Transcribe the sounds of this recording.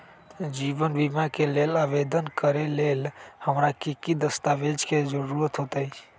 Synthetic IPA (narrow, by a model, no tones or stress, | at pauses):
d͡ʒibənbimakelelaʋed̪ənkəɾelelhəmɾakikid̪əst̪aʋed͡ʒked͡ʒəɾuɾət̪ɦot̪əi